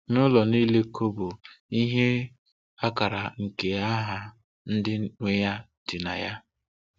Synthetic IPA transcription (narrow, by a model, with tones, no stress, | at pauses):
nʊ˦lɔ˨ni˦le˦kʰo˦bo˨i˦ɦe˦ | a˦ka˨ɾa̰˨ŋ̩˨ke˨a˦ɦa˨ | n̩˦dɪ˦nʷe˦ja˦ | d̥ɪ˨na̰˨ja˦